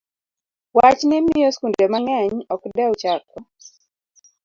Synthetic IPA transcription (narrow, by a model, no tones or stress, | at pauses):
wat͡ʃnɪmɪjɔskundɛmaŋɛɲɔkdɛwt͡ʃakɔ